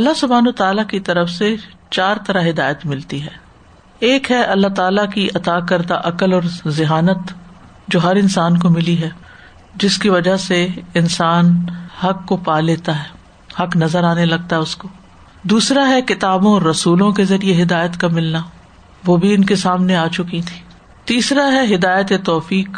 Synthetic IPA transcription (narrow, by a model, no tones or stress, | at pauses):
ɐlːaɦsʊbʱaːnoːt̪aːlakit̪ɐɾəfset͡ʃaːɾt̪ɐɾaɦɪd̪aːjət̪mɪlt̪iɦɛː | eːkɦɛʔɐlːaɦt̪aːlakiʔɐt̪aːkɐɾd̪aʔɐkəlɔːɾzɪɦaːnət̪ | d͡ʒoːɦɐɾɪnsaːnkomɪliɦɛː | d͡ʒɪskiʋɐd͡ʒaseɪnsaːnhɐkːopaːleːt̪aɦɛː | hɐknɐzəɾaːnelɐɡ̚t̪aɦɛʊskoː | d̪uːsɾaɦɛkɪt̪aːbõɔɾːɐsuːlõkezɐɾieɦɪd̪aːjət̪kamɪlna | ʋoːbʱiʊnkesaːmneaːt͡ʃʊkit̪ʰi̥ː | t̪iːsɾaɦɛɦɪd̪aːjət̪et̪ɔːfiːk